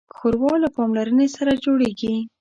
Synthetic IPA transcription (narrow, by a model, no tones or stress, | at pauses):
xoɾwɑlapɑmlaɾənesaɾad͡ʒoɽeɡi